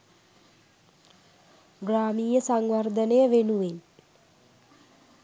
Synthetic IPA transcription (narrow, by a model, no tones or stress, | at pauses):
ɡraːmiːjəsaŋʋard̪ənejəʋenuʋen